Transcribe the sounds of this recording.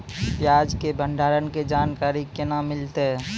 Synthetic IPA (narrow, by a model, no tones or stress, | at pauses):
pjaːd͡ʒkebə̃ɳɖʱaːɾənked͡ʒaːnkaːɾikɪnamɪlt̪eɦɛ